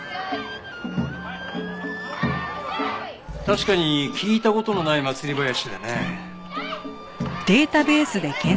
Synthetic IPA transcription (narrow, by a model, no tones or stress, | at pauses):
t̪aɕi̥kaɲ̟ikʲiːt̪ako̞t̪o̞no̞naimat͡sɨɾʲibajaɕid̪ane | d̪̥e̞ːt̪abe̞ːsɨd̪e̞kẽ